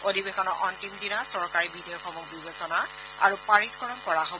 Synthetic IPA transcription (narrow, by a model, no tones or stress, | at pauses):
odibexɔnɔʔɔntimdinasɔɹkaɹibʱidijɔkʰɔmɔk̚bibesɔna | a̰ɹupaɹitkɔɹɔnkɔɹaɦo